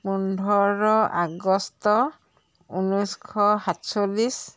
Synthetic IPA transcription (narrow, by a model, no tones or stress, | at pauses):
pundʱɔɹɔʔaɡɔstɔ | unujskʰɔhatsolis